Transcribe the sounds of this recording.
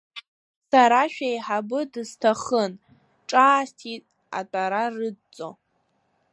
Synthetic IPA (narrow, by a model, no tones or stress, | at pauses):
saɾaʃᶣajħabɨdɨztʰaχən | ʈ͡ʂʼaːstʰitʼ | a̰tʷʼaɾarɨdt͡sʼo